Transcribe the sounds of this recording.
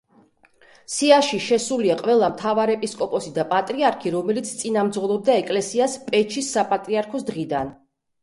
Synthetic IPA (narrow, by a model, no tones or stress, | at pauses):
siaʃiʃɛsuliaqʼvɛlˠamt̪ʰavaɾɛpʼiskʼɔpʼɔsid̪apʼat̪ʼɾiaɾkʰiɾɔmɛlit̪sʰt̪sʼinamd̪zʁɔlˠɔb̚d̪aɛkʼlɛsiaspʼɛt͡ʃʰisːapʼat̪ʼɾiaɾkʰɔsd̪ʁid̪an